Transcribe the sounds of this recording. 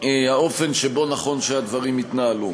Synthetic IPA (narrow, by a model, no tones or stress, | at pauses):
ehao̞fe̞nʃebo̞naχo̞nʃead̪vaʁimit̪naalu